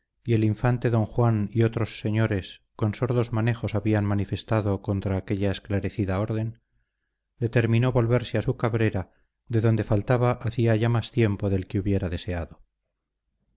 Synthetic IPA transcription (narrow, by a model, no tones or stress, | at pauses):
ie̞liɱfant̪e̞ðo̞ŋxwanio̞t̪ɾo̞sːe̞ɲo̞ɾe̞sko̞nso̞ɾðo̞zmane̞xo̞saβianmanife̞st̪aðoko̞nt̪ɾaːke̞ʎaesklaɾe̞θiðao̞ɾð̞e̞n | d̪̥e̞t̪e̞ɾmĩno̞βo̞lβe̞ɾseasukaβɾe̞ɾa | ðe̞ðo̞nd̪e̞falt̪aβaʔaθiaʝamast̪je̞mpo̞ðe̞lkeuβje̞ɾaðe̞se̞aðo̞